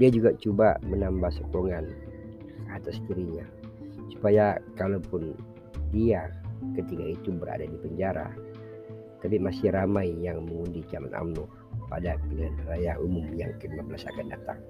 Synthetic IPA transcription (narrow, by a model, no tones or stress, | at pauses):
diad͡ʒuɡat͡ʃuba̰mənambahsokoŋan | at̪ast̪iɾiɲa | su̥pajakalawpʊn | diakət̪ikait̪ubəɾa̰dadipəɲd͡ʒaɾa̰ | t̪ap̬imasɪɾamajjaŋməŋundit͡ʃalana̰mnɔ | pa̰dapəlianrajaʔumʊmjaŋkinməmbəlasa̰kandat̪a̰ŋ